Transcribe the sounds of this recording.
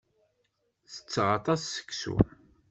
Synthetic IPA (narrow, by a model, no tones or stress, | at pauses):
θə̥t͡sːʁɑt̪ˤɑsːə̥kːsṵ